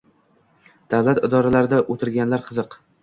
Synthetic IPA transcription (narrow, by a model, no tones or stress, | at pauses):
d̪̥awlat̪ɪd̪ɒɾalaɾɪd̪aʔot̪ʰɪɾɡʲanlaɾqʰɨzɨq